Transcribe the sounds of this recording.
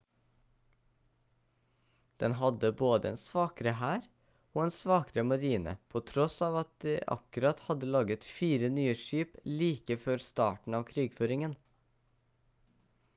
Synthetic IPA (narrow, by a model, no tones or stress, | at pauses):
d̪̥ɛnhɑd̪əboːd̪əeːnsʋɑːkɾəhæːɾ | oːeːnsʋɑːkɾəmɑɾiːnə̰pʰoːt̪ʰɾɔsɑːʋɑt̪̚d̪ḛːʔɑ̰kʉɾɑt̪hɑd̪əlɑːɡət̪fiːɾənyːəʃiːpliːkəføɾst̪ɑ̰ːʈɳ̩ɑːʋkʰɾiːɡføːɾɪŋən